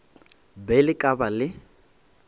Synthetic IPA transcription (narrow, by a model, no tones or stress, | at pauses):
bɛlɪkʼabalɪ